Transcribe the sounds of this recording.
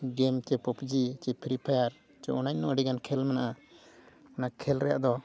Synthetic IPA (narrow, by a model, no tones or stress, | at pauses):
ɡɛmt͡ʃɛpɔpd͡ʒit͡ʃɛpʰiɾipʰajaɾ | t͡ʃɛʔɔnaɲnɔʔɖiɡankʰɛlmɛnaʔa | mnakʰɛlɾɛja̰ʔd̪ɔ